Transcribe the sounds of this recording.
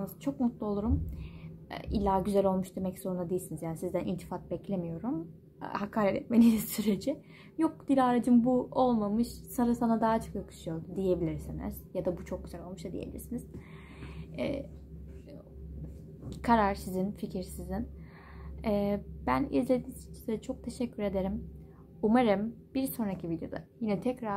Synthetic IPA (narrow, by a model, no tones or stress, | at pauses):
nɯzt͡ʃʰo̞k̚mut̪lˠuolˠuɾum̰ː | ilʲːaːɟyzælʲo̞lˠmuʃd̪e̞mɛczo̞ɾund̪ad̪ejilʲsinizjaːnisizd̪ænʔḭlʲt̪ʰi̥fat̪̚bɛclʲe̞mijo̞ɾum̰ | hakʰaːɾɛt̪ʰɛt̪menʲinsyɾe̞d͡ʒɪ | jok̚d̪̥ilʲaɾad͡ʒɯmbuo̞lˠmamɯʃsaɾɯsanad̪aɦat͡ʃʰo̞kjakʰɯ̥ʃɯjo̞ɾd̪ud̪ije̞bilʲiɾsinḭz̥jad̪abut͡ʃʰo̞k̚ɟyzɛlʲo̞lmuʃt̪ad̪ijebilʲḭɾsiniz̥ | ɛ̰ː | kʰaɾaɾsizinficʰiɾsizin | ɛːb̥ænḭzlʲe̞d̪iːnt͡ʃt͡ʃʰi̥zt͡ʃʰo̞k̚t̪ʰe̞ʃɛcʰːyɾe̞d̪e̞ɾim | umaɾɯmb̥iɾso̞nɾacʰivid̪jo̞̰d̪a̰jinɛt̪ʰɛcɾa